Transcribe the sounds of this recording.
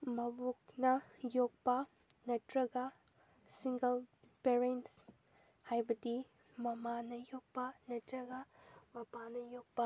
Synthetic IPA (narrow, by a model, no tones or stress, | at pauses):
mɐbuk̚nɐjok̚pɐ | nɐtɾɐɡɐ | siŋɡɐl | peɾens | hajbɐdi | mɐmanɐjok̚pɐnɐtɾɐɡɐmɐpanɐjok̚pɐ